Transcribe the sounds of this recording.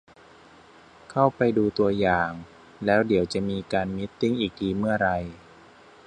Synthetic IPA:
kʰa˥˩wpa˧jduː˧t̪u˧ɐjaː˨˩ŋ | lɛː˦˥wdi˨˩˦əwt͡ɕa˨˩ʔmiː˧kaː˧nmi˦˥t̪ːi˥˩ŋʔiː˨˩k̚diː˧˦mɯ˥˩ɐɾa˧j

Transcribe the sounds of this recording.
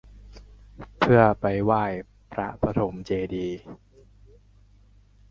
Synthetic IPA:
pʰɯ˥˩ɐpa˧jwaː˥˩j | pʰɾa˦˥pa˧t̪ʰo˩˦mt͡ɕeː˧diː˧

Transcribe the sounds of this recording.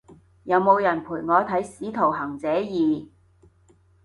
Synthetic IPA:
jɐ˨˧wmo˨˧wjɐ˨˩npʰuː˨˩jŋɔː˨˧t̪ʰɐ˨˥jsiː˨˥t̪ʰo˨˩wɦɐ˨˩ŋt͡sɛː˨˥jiː˨

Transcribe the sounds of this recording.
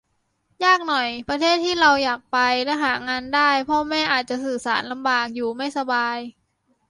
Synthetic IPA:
jaː˥˩k̚nɔ˨˩jpɾa˧t̪ʰeː˥˩t̪ʰːiː˥˩ɾa˧wjaː˨˩k̚pa˧jlɛ˦˥ɦaː˩˦ŋaː˧ndaː˥˩jpʰɔ˧˥mɛː˥˩ʔaː˨˩t̪̚t͡ɕa˨˩sɯː˨˩saː˩˦nla˧mbaː˨˩k̚juː˨˩ma˥˩jsa˧baː˧j

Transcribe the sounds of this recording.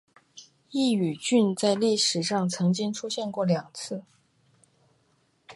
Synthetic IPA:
i˥˩y˨˩t͡ɕy˥˧nt͡sa˥˧ɪli˥˩ʂɻ̩˨˩ʂɑ˥˩ŋt͡sʰɤ˧˥ŋt͡ɕi˥ŋʈ͡ʂʰu˥ɕjɛ˥˧nkwɔ˥˩ljɑ˨˩ŋt͡sʰɹ̩˥˩

